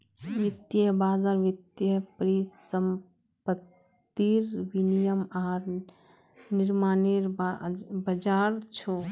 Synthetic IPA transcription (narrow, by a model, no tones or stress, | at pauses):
ʋit̪jəbaːzaɾʋit̪jəpɾisəm | pət̪ː | iɾʋinijəmaːɾ | niɾmaːneɾbbəd͡ʒaɾt͡ʃʰo